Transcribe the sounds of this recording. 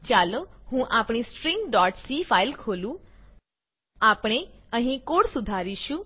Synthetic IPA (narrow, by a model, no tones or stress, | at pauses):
t͡ʃaloɦũʔapɽ̃ispɾĩŋɡɖɔːʈsifailkʰolũ | apɽ̃e | ə̃ɦĩkoɽsud̪ʱaɾiʃũ